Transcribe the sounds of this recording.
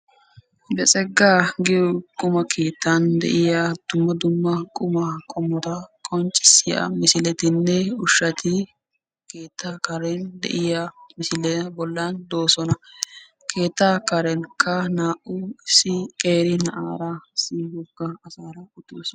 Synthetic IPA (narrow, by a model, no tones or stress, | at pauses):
bɛsʼɛɡːaːɡɪjɔkʼʊmɐkʰeːt̪ːɐnd̪ɛ̰ʔɪjɐd̪̥ʊmːɐd̪ʊmːɐkʼʊmɐkʼɔmːɔt̪ɐkʼɔnt͡ʃʼːɪ̥sːɪjɐ̰mɪsɪlɛt̪ɪnːɛʊʃːɐt̪ʰɪ | keːt̪ːakɐɾɛnd̪ɛ̰ʔɪjamɪsɪlɛbɔlːɐnd̪oːsɔnɐ | kʰe̞ːt̪ːakɐɾɛnkʰɐnaːʔʊɪsɪkʼeːɾɪnɐʔaːɾɐsiɡɔkːɐːsaːɾɐʊt̪oːsɔ